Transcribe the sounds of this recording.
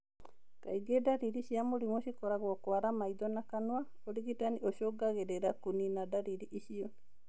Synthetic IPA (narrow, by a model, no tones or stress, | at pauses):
ka̰iɡedaɾiɾiʃjamoɾimoʃikɔɾaɣwɔkwaɾamaiðɔnakanwa | oɾiɣitanioʃoɡaɣeɾeɾakuninadaɾiɾiʔiʃiɔ